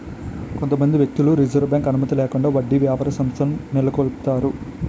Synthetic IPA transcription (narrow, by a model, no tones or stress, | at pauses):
ko̞nt̪ɐmɐnd̪iʋjek̚t̪uluɾid͡ʒɐɾʋbjaːŋkɐnumɐt̪ilɛːkuɳɖaːʋɐɖːiʋjaːpɐɾɐsɐmst̪ʰɐmunilɐkoɭpt̪aːɾu